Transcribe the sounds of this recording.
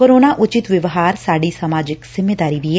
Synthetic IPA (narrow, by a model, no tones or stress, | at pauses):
koːɾoːnaːʔʊt͡ʃɪt̪ʋɪʋɦaːɾsaːɖiːsəmaːd͡ʒɪkz̥ɪmeːd̪aːɾiːʋiːɛ